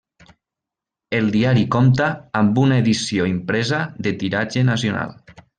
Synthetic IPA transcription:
elˠd̪iaɾikɔmt̪aːmbunaeðisioimpɾɛzaðet̪iɾad͡ʒenasjona̰lˠ

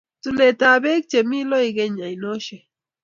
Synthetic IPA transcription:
t̪ulet̪abek̚t͡ʃemilojɡeɲajnoʃe

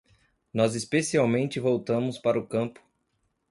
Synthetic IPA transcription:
nɔzɪspesiawmẽnt͡ʃɪvowt̪ɐ̃mʊspaɾʊkɐ̃pʊ̥

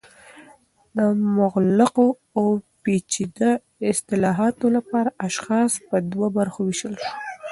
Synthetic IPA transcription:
d̪əmʊɣlɪqo | awpet͡ʃid̪a | ɪst̪ɪlɑɦɑt̪olapɑɾaʔaʃxɑspəd̪wabaɾxowiʃəlʃu̥

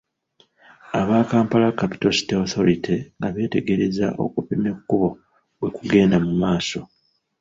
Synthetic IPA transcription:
aβaːkaːmpalakːapi̥tosi̥teoθo̞ɾitʰeŋɡaβe̞ːte̞ɡe̞ɾe̞za̰ʔo̞̰kupimekːuβo̞ | βwe̞kuɡe̞ːndamumaːso̞

